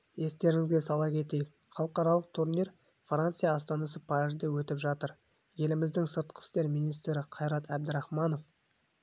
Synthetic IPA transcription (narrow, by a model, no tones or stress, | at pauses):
je̞st̪e̞ɾɪŋɪzɡʲe̞sɑlˠɑkʲʰe̞t̪e̞jɪk | χɑlˠəqɑɾɑlˠəq̚t̪ʰuɾneɾ | frant̪sɨjɑːst̪ɑnɑsəpʰɑɾɪzd̪ewɵt̪ɪpʒɑt̪əɾ | je̞lɪmɪzd̪ɪŋsət̪qʰə̥st̪e̞ɾmijnist̪ɾɪqʰɑjɾɑt̪æb̚d̪ɪɾɑχmɑno̞f